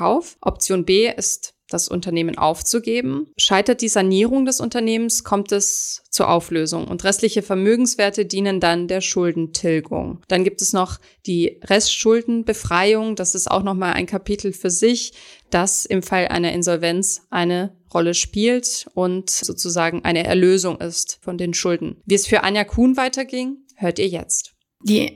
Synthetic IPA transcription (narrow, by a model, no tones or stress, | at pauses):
kaʊfʔɔp̚t͡sjoːnbeːʔɪst | d̥asʔʊ̰ntɐneːmənʔa̰ʊft͡suɡeːbm̩ʃaɪtɐt̚d̥iːzaniːʁʊŋdɛsʊ̰ntɐneːmənskʰɔmtɛst͡suːɐʔaʊfløːzʊ̰ŋʊ̰ntʁɛstlɪçəfɛɐmøːɡŋ̩sv̥eːɐtədiːnəndandeːɐʃʊldn̩tʰɪlɡʊ̰ŋd̥anɡiːp̚tɛsnɔχ | d̥iːʁɛstʃʊldn̩bəfʁ̥aɪʊŋd̥asɪsta̰ʊxnɔχmaːlʔa̰ɪnkʰapʰiːtl̩fyːɐzɪçd̥asɪmfalʔa̰ɪnɐʔɪnzɔlvɛnt͡sʔaɪnəʁɔləʃpiːltʔʊntz̥oːt͡suzaːɡŋ̩ʔa̰ɪnəʔɛ̰ɐløːzʊŋʔɪ̰stfɔndeːnʃʊldn̩viːɛsfyːɐʔa̰njakʰuːnvaɪtɐɡɪŋ | høːɐtiːɐjɛ̰t͡st | vḭː